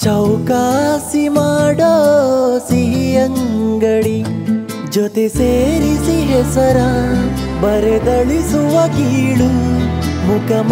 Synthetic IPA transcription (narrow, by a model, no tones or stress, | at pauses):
t͡ʃɐwkaːsimaːɖosiɦiɐŋɡɐɽi | d͡ʒot̪eseːɾisiɦesɐɾa | bɐɾed̪ɐɭisuʋɐkiɭu | mukɐm